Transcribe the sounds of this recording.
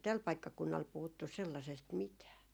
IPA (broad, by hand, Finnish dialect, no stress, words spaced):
tæl pɑikːɑkunːɑl puhutːus̆ selːɑsest mitæː